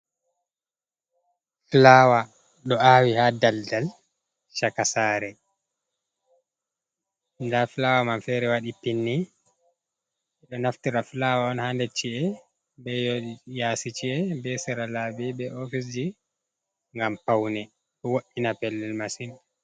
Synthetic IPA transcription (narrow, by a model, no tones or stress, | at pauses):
flaːwa | ɗɔaːwihadaldal | ʃakasaːɾɛ | ndaflaːwamamfɛɾɛwaɗipinːi | ɛɗɔnaftiɾaflaːwaɔnhandet͡ʃːiɛ | bɛjoɗijasit͡ʃiɛbɛsɛɾalaːbɛbɛʔofis̬d͡ʒi | ŋɡampawnɛ | ɗɔwoʔinapɛlːɛlmasin